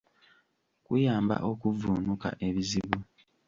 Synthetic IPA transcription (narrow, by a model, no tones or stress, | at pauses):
kujaːmba̰ʔo̞kuvuːnuka̰ʔe̞βiziβu